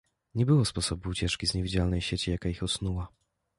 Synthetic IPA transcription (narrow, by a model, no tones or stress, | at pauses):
ɲɛbɘwɔspɔsɔbuːt͡ɕɛt͡ʂkʲizɲɛvʲid͡ʑalnɛjɕet͡ɕijakaixɔsnuwa